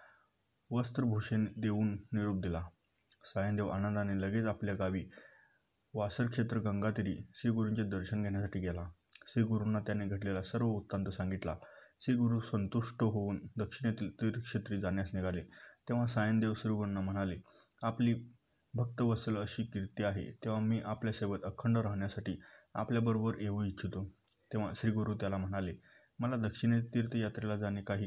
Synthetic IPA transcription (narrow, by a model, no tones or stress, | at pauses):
ʋəst̪ɾəbʱoɕend̪euːnːiɾup̚d̪ila | sajənd̪eʋanənd̪aneləɡet͡sapljaɡaʋiː | ʋasəɾkʂet̪ɾəɡəŋɡat̪iɾiːsiɡuɾuɲt͡ɕjad̪əɾɕənɡʱɛɳjasaʈʰiːɡɛla | siɡuɾunːat̪janeɡʱəʈlelasəɾʋəut̪ːənt̪əsãŋɡit̪lasiɡuɾusənt̪uʂʈəɦouːnd̪əkʂinet̪iːlt̪iɾkʂet̪ɾiːd͡zanjasniɡʱalet̪ẽʋ̤asajənd̪eʋsɾiɡuɾunːam̤əɽ̃ale | apliː | bʱək̚t̪əʋəsələɕiːkiɾt̪iaɦḛt̪ẽʋ̤amiːʔapljasebət̪əkʰəɳɖəɾaɦɳjasaʈiːa̰pljabəɾobəɾeʋuitːɕʰut̪o | t̪eʋ̤aɕɾiːɡuɾuːt̪jalam̤əɽ̃ale | məlad̪əkʂinet̪iɾt̪ijat̪ɾelad͡zanekaɦiː